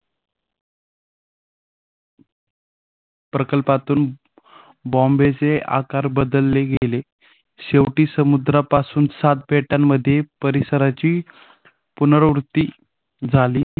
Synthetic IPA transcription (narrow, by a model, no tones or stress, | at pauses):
pɾəkəlpat̪uːn | bɔ̃mbet͡sea̰kaɾbəd̪əlːeɡele | ɕeʋʈiːsəmud̪ɾapasuːnsat̪̚beʈamːəd̪ʱjepəɾisəɾat͡ɕiː | punəɾəʋɾut̪ːiː | d͡zʱaliː